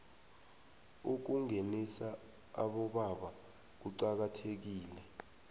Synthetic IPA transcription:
uk̬uŋenisa | aɓɔɓaɓa | k̬uǀak̬atʰek̬iːlɛ

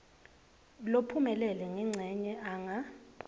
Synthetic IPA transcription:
lopʰumɛlɛlɛŋɛŋ͡ǀʱɛɲɛʔaːŋa

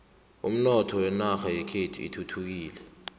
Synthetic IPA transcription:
ṵm̩nɔtʰɔwɛnaxajɛkʰetʰuḭtʰutʰuk̬iːlɛ

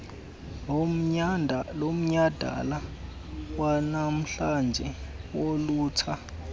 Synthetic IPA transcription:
lom̩ɲad̥ʱa̰la | wanam̩ɬand͡ʒʱɛwoluːt͡sʰa

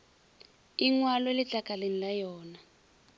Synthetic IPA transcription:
iŋwalɔelit͡ɬakalenilajɔːna

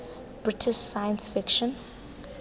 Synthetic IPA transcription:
b̥ɹɪtʰɪʃsajə̃nsfɪkʃɔ̃n

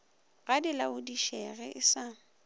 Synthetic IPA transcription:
ɣadɪlaʊdiʃɛɣɛʔɪsa

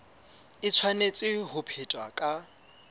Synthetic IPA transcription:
ɪt͡sʰwanet͡sʼɪɦʊpʰetʼwakʼa

